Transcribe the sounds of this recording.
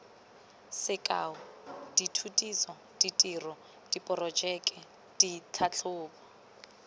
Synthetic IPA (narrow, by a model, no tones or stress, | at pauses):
sɪkʼa̰ːʊd̥itʰutʼisɔ | d̥itʼirɔ | d̥ipʼɔrɔd͡ʒɛkʼɛ | d̥itʰat͡ɬʰʊːbɔ